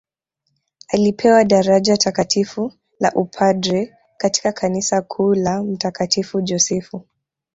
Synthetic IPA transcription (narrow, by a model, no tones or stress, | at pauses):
alipʰɛwaɗaɾaʄatakatʰifu | la̰ʔupʰadɾɛ | kati̥kakʰanisakʰuːlam̩takatifud͡ʒɔsɛfu